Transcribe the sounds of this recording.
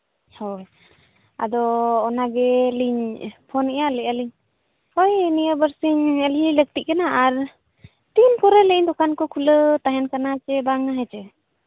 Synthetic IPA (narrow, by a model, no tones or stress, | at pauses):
hɔ | a̰d̪ɔːnaɡɛliɲpʰɔnɛjalɛəliɲ | hɔjnijəbəɾsiɲəlilək̚t̪iʔ̚kanaʔaɾ | t̪inkɔɾɛlɛiɲd̪ɔkankɔkʰulət̪aɦɛnkanat͡ʃɛbaŋaɦɛt͡ʃɛ